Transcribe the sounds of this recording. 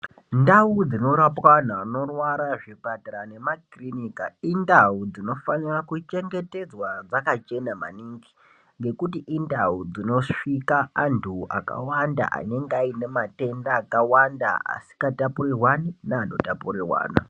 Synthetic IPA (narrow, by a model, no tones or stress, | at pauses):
ndaud͡zino̞ɾapwan̤aːno̞rwaɾaʐipataɾane̞makrinikaindaud͡zino̞fanirakut͡ʃe̞ŋɡe̞te̞d͡zwad͡zakat͡ʃe̞nama̰niːŋɡi | ŋɡe̞kut̬iʔindaud͡zino̞ʂikaantʰua̰ka̰wanda̰ʔa̰ne̞ŋɡaine̞mate̞ndaːkawanda̰a̰si̥katapuɾirwaninaːno̞tapurirwa̰ːna̰